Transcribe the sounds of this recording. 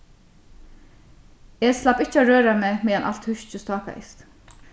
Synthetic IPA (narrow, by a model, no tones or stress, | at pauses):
ɛːslɑpɪt͡ʃːəaɹøːɾameːmiːjanʔa̰l̥t̪hʉʃt͡ʃəst̪ɑːka̰ɪ̰st̪